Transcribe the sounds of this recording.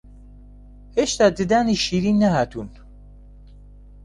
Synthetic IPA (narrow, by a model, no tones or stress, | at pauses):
heʃt̪ad̪ɨd̪æniʃiːɾiːnːæhaːt̪ʰun